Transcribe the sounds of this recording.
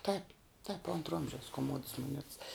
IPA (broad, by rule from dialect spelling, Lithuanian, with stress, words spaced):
tɐɪp tɐɪp ˈoːntrɐ ˈoːmʲʒʲɛʊs koːˈmoːts moːˈnʲɛts